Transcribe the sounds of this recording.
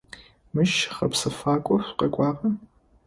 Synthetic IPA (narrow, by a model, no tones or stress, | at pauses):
mɨʃχɐpsɨfaːkʷʼɔɕʷqɐkʷʼɑːqɐ